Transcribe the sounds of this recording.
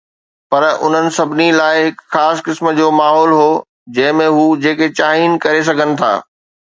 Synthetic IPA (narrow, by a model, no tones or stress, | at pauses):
pɐɾʊ̰n̤ənɪ̆sɐbʱɪnilaːɪɦɪkxaːskɪsməd͡ʑoːmaːɦɔːlɦoː | d͡ʑɐ̃ɦɪ̃mẽɦuːd͡ʑeːket͡ɕaːɦiːnkɐɾes̬ɐɡʱənɪ̆t̪ʰa̰ː